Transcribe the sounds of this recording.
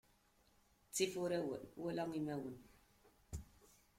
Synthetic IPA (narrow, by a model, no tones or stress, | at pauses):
t͡sifoɾɛwowolɔŋimɛwun